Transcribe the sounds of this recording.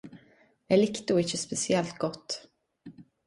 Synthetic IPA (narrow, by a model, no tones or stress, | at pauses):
ælɪkt̪uɪçəspɛsɪɛlt̪ɡɔt̪ː